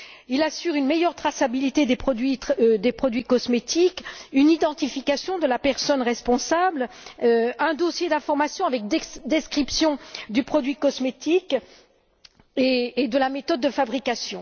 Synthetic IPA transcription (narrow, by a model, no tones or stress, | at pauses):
ilasyʁynmejœʁt̪χasabilit̪ed̪epχɔd̪ɥid̪epχɔd̪ɥikɔsmet̪ikynid̪ɑ̃t̪ifikasjɔ̃d̪əlapɛʁsɔnʁɛspɔ̃sabl | ɛ̃d̪osjed̪ɛ̃fɔʁmasjɔ̃avɛk̚d̪d̪ɛskχipsjɔ̃d̪ypχɔd̪ɥikɔsmet̪ik | eːd̪əlamet̪ɔd̪̚ːəfabʁikasjɔ̃